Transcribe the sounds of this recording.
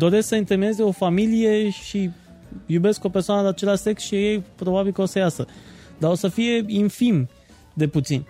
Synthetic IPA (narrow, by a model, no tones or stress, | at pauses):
d̪o̞ɾe̞sksəint̪emie̞ze̞o̞familije̞ʃi | jube̞sko̞persoanəd̪at͡ʃe̞laʃse̞ksʃiaje̞jpɾo̞babilkəo̞səjasəd̪ao̞səfije̞infim | d̪e̞put̪sinʲ